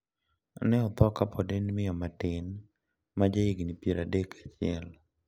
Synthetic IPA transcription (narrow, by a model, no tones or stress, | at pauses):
a̰nɛɔt̪ɔkapʰɔdenmɪjɔmatɪn | mad͡ʒeɪɡnipjeɾadekʰḁt͡ʃɪɛ̰l